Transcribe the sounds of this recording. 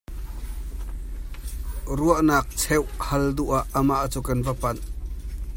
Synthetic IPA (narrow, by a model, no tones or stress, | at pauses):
ruəʔnaːk̚t͡sʰɛwhɐld̪uʔaʔːəmaʔt͡suːkɐnvəpɐn